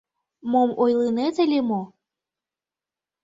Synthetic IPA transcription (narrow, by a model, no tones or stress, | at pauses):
momojlˠɨnet̪elʲemo